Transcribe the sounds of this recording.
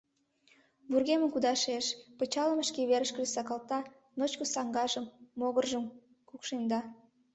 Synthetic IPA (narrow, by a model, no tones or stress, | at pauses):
βurɣeməmkud̪ɑʃeʃpət͡ɕɑləməʃkeβeɾəʃkə̆ʒesɑkɑlt̪ɑ | not͡ɕkosɑŋɡɑʒəmːoɣərʒəm | kukʃend̪ɑ